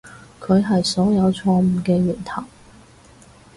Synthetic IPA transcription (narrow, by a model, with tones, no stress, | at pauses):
kʰɵ˨˧ɥɦɐ˨jsɔː˨˥jɐ˨˧wt͡sʰɔː˧m̩˨˩kɛː˧jiː˨˩nt̪ʰɐ˨˩w